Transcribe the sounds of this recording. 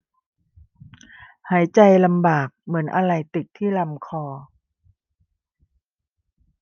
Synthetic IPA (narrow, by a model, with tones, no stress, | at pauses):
haː˩˦jt͡ɕa˧jla˧mbaː˨˩k̚mɯ˩˦ənʔa˧ɾa˧jt̪i˨˩t̪̚ʰːiː˥˩la˧mkʰɔː˧